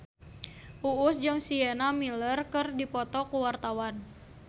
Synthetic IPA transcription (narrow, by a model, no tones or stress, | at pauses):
ʔuʊsd͡ʒɨŋsiɛnamilərkɨrdipɔt̪ɔkuwart̪awan